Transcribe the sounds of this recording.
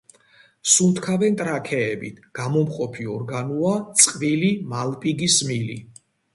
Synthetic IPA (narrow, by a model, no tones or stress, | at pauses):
sunt̪ʰkʰavɛnt̪ʼɾakʰɛːbit̪ʰɡ̥amɔmqʼɔpʰiɔɾɡanuat̪sʼqʼvilimalpʼiɡismili